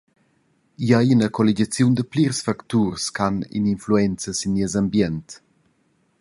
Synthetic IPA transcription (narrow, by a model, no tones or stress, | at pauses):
jajinəkʰɔliɟat͡sjund̪əpliɾsfaktuɾskanḭninfluɛnt͡səsinːiəzambjɛnt